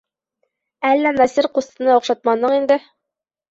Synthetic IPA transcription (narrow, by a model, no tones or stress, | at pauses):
ælːænɑsiɾqust̪ɤ̆nɑŏqʃɑt̪̚mɑnːɤɴind̪ɘ